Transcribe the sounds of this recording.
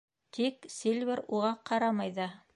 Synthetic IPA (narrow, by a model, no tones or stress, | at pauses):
t̪ʰiksilʲvʲeɾuʁɑqɑɾɑmɑjðɑ